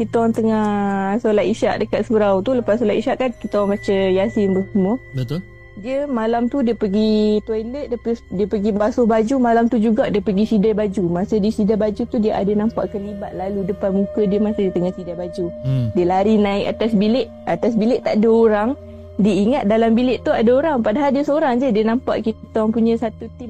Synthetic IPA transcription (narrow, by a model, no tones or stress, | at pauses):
kit̪aoaŋt̪əŋahsolat̪iʃaʔdəkaʔ̪̚suɾawt̪uləpassolaʔiʃaʔkankit̪aoaŋbat͡ʃəjasɪnbəsəmũəbət̪ | diəmalamt̪udiəpəɡit̪wailət̪̚ddiəpəɡibasʊhbad͡ʒumalamt̪ud͡ʒuɡaʔdiəpəɡisidabad͡ʒumasədiəsidaʔbad͡ʒut̪udiəʔa̰dənampa̰ʔkəliba̰t̪̚laludəpanmũkədiəmasədiət̪əŋahsidabad͡ʒudiəlaɾinãɪk̚a̰t̪asbilɪʔ | at̪as̬bilɪʔt̪aʔdəoɾaŋ | dəiŋat̪̚dalambilɪʔt̪uadəoɾaŋpadaɦardiəsəoɾaŋd͡ʒədiənampa̰ʔkit̪ət̪ɔŋpuɲãsat̪ut̪im